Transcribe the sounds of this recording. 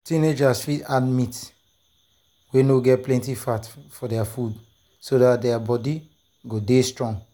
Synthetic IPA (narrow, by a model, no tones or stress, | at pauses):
tĩned͡ʒasfitadmit | wenoɡɛt̚plɛ̃ntifatfɔdɛafud | sodatdɛabɔdi | ɡodestɹɔ̃ŋ